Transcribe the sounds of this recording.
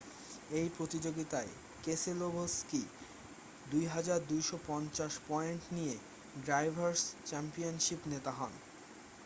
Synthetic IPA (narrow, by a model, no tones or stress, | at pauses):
ejpɾot̪id͡ʑoɡit̪ae | keselobʱoski | d̪ujɦad͡ʑaɾd̪ujʃopɔnt͡ɕaʃpɔeɳʈnije | ɖɾajbʱaɾst͡ɕɛmpionʃipnet̪aɦɔn